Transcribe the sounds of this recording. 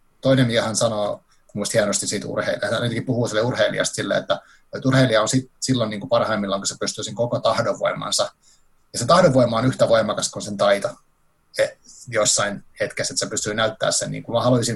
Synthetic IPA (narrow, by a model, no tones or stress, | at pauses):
t̪oinemiæhænsɑnoː | kummuist̪hiænost̪isiːt̪ṵrhḛiliɑsyt̪kipuhuːsilːeurheilḭɑ̰st̪silːḛḛt̪ːæ | yt̪urheiliɑonsit̪silːonniːŋkupɑrhɑimːilːɑŋkusepyst̪yːsiŋkokot̪ɑhdoʋʋo̰imɑ̰nsɑ | jɑset̪ɑhdoʋʋoimˑɑonyht̪æʋoimɑkɑskunsent̪ɑit̪ɑ | ejosːɑinhet̪keset̪sepysyinæyt̪ːæ̰ːssennḭːŋkumɑhɑluisin